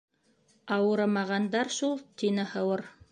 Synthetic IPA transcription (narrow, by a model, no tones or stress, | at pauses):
ɑwɤ̆ɾɑmɑʁɑnd̪ɑɾʃulˠt̪inɘhɤ̆wɤɾ